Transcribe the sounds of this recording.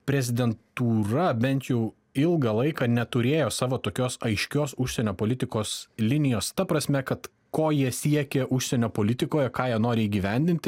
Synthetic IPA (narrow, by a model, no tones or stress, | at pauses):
pʲɾʲɛzʲɪd̪ʲɛnt̪uːrɐbʲɛnʲt̪jɛʊ | ɪlˠɡɐlˠɐɪkɑːnʲɛt̪ʊɾʲeːjoːsɑːʋoːt̪oːkʲoːsɐɪʃʲkʲoːsʊʃʲsʲɛnʲoːpoːlʲɪt̪ʲɪkoːslʲɪnʲɪjoːst̪ɐpɾɐsʲmʲɛkɐt̪ | koːjiɛsʲiɛkʲɛʔʊʃʲsʲɛnʲoːpoːlʲɪt̪ʲɪkoːjɛkɑːjiɛnoːɾʲɪiːɡʲiːʋʲɛnʲd̪ʲɪnʲt̪ʲɪ